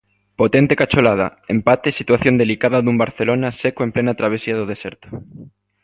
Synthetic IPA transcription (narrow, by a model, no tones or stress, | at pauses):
pot̪ent̪ekat͡ʃolað̞a̰empat̪esit̪waθjond̪elikaðaðumbaɾθelonasekoemplenat̪ɾaβ̞esiaðoð̞eseɾt̪o̥